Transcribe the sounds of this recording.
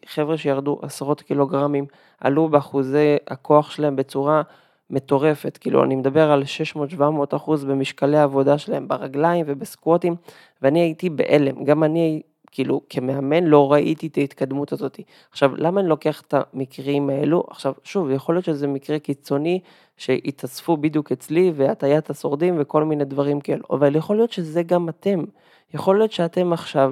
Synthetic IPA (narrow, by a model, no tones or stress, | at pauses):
χe̞vʁeʃejaʁduʔasʁo̞t̪kilo̞ɡʁamim | ʔa̰lubeaχuzea̰kʰo̞aχʃelahe̞mbe̞t͡suʁa | me̞t̪o̞ʁe̞fe̞tkḭːlṵa̰nimed̪abe̞ʁalʃe̞ʃmo̞ːtʃvamo̞ːt̪aχuzbemiʃkaleaːvo̞daʃelae̞mbaʁaɡlaimve̞beskwotim | veaniaitibḛʔele̞mɡamaniai | kiːlukʰemeame̞nlo̞ʁaʔitit̪ait̪kad̪mutazo̞t̪i | aχʃavlamaːnilo̞ke̞aχe̥t̪amikʁimae̞luʔa̰χʃavʃuvjeχolijo̞t̪ʃezemikʁekit͡so̞ni | ʃe̞ʔit̪ʰasfubid̪juket͡sliveat̪ajat̪aso̞ʁd̪imveko̞lmine̞d̪vaʁimkae̞lṵʔa̰valjeχo̞lijo̞t̪ʃe̞ze̞ɡamat̪e̞m | jeχo̞ljo̞t̪ʃeat̪e̞maχʃav